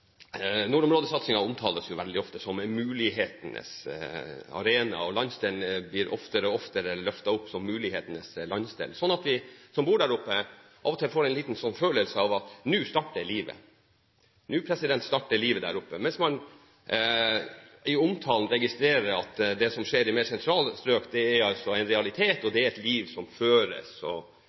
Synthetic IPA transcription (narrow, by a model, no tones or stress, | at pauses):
nuːɾʊmɾoːd̪əsɑt̪sɪŋɑʊmt̪ʰɑːləsjʊʋɛld̪ɪɔft̪əsɔmmʉːlɪɦeːt̪ənə̰s | ɑ̰ɾeːnɑ̰ɔlɑnst̪ɛlnəblɪːɾʔɔ̰ft̪əɾəɔft̪əɾəlœft̪ɑʊpːsɔmːʉːlɪheːt̪ənəslɑnst̪ḛlsɔnːɑt̪ʋɪsɔmbuːɖæːɾʊpːəʔɑ̰ʋɔt̪ʰɪfoːɾæɪnliːt̪nsɔnːføːləlsəɑʋɑt̪nʉːst̪ɑʈːəɾliːʋə̰ | nʉːpʰɾɛsɪd̪ɛnt̪st̪ɑʈːəliːʋəd̪æ̰ːɾʊpːəmɛnsmɑn | ɪʊmt̪ʰɑːln̩ɾɛɡɪst̪ɾeːɾəɾɑt̪d̪ɛsɔmʂeːɾɪmeːɾsɛnt̪ʰɾɑːlst̪ɾøːkd̪ɛæɾɑlsɔæɪnɾɛɑlɪt̪ʰeːt̪ɔd̪ɛæɾɛt̪liːʋsɔmføːɾə̰sɔ̰